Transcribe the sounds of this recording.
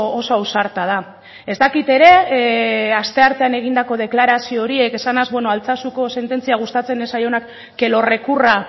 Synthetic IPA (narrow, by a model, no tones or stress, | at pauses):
oso̞awsaɾt̪að̞a | e̞st̪akit̪e̞ɾe̞ | ast̪e̞aɾt̪e̞ane̞ɣ̞ind̪ako̞ð̞e̞klaɾasio̞ːɾie̞ke̞sanazbweno̞alt͡sasuko̞se̞nt̪e̞nt͡siaɣ̞ust̪at͡se̞nesajo̞nakː | e̞lo̞re̞kura